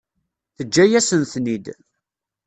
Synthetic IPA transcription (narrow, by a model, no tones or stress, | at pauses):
θəd͡ʒːæjæsənθnid̪